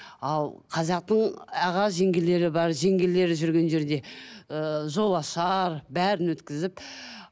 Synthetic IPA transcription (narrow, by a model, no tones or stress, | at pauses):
ɑlˠqʰɑzɑq̚t̪əɴɑʁɑʒe̞ŋɡʲele̞ɾɪbɑɾʒe̞ŋɡʲele̞ɾɪʒʏɾɡʲe̞nʒe̞ɾd̪e̞ | ʒo̞lˠɑʃɑɾbæɾɪnwɵt̪kʲɪzɪp